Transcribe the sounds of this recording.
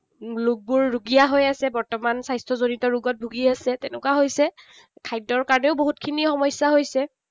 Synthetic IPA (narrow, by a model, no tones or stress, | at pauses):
lʊk̚bʊɹːuɡijaɦojasɛbɔɹtɔmansajstʰɔzonitɔɹuɡɔt̚bʱuɡiasɛtɛnʊkwaɦojsɛ | kʰajdɔɹkaɹɔnɛʊboɦutkʰinixɔmɔjsaɦojsɛ